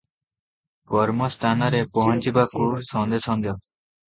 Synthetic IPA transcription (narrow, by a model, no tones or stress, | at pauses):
kɔɾmɔst̪ʰanɔɾepɔɦɔnt͡ʃibakuɾsɔnd̪esɔnd̪ʱjɔ